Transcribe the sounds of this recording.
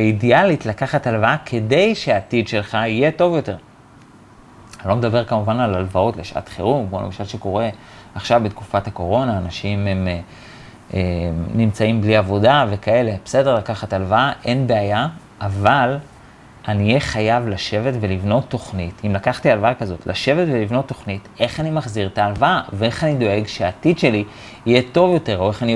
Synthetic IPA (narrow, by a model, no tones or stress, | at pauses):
eidialitlakaχatalvaakʰe̞de̞jʃeaːtidʃe̞lχaije̞to̞vjo̞te̞ʁ | ilo̞med̪abe̞ʁkamuvanalalvaotleʃʔa̰tχeʁumkmolemaʃalʃeko̞ʁe̞ | aχʃavbet̪kufathako̞ʁo̞naːnaʃimem | enimt͡saimbliavo̞dave̞kae̞le̞bese̞de̞ʁlakaχatalvaaʔe̞nbe̞aja | ʔaval | anijeχajavlaʃe̞vetve̞livno̞t̪ːo̞χnitimlakaχtialvaakazo̞tlʔa̰ʃe̞vetvelivno̞t̪ːo̞χnite̞χanimaχziʁtaːlvaavee̞χanido̞e̞ɡʃeaːtidʃe̞liː | jeto̞vjo̞te̞ʁo̞e̞χani